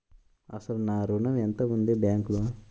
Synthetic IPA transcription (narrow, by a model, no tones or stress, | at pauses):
ɐ̰sɐlnaːɾunɐʋent̪ɐmund̪ebjaːŋklu